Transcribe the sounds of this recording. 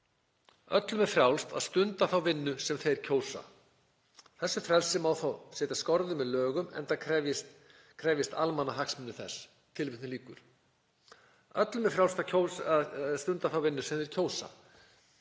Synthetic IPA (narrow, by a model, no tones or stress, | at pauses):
œ̰t̪lʏmɛfɾjawlst̪a̰ðst̪ʏnt̪aθawvɪnːʏsɛmθejɾ̥cʰoːwsa̰ | θɛsːʏfɾɛlsɪmawθawsɛːt̪askɔɾðʏmɛðlœːɣʏmɛ̰nt̪aɛvɪs | kʰɾɛvjɪst̪almanaɦaksmɪnːʏθɛ̰s | t̪ʰɪlvɪht̪nɪliːkʏɾ̥ | œt̪lʏmɛfɾjawlst̪acʰowast̪ʏnt̪aθawvɪnːʏsɛmθejɾ̥cʰoːwsa̰